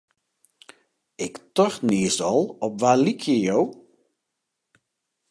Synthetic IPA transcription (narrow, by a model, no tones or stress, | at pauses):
ɪktɔxniəsɔlˠɔpʋalikʰjəjow